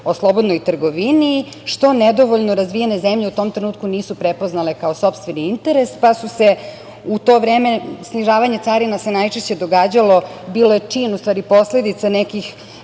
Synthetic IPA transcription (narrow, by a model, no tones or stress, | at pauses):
o̞slˠo̞bo̞d̪nojt̪r̩ɡo̞ʋini | ʃt̪o̞ned̪o̞ʋo̞ʎnoɾazʋiːene̞zemʎeut̪o̞mt̪ɾenuːt̪̚kuniːsupɾepoznale̞kao̞sopst̪ʋeniint̪e̞ɾe̞spasuse̞ | ut̪o̞ːʋɾe̞ːme̞sniʒaːʋaɲe̞t̪saːɾinase̞najt͡ʃeʃt͡ɕe̞d̪o̞ɡaːd͡ʑalo̞biːlojet͡ʂiːnust̪ʋaːɾipo̞sle̞d̪it̪sanekix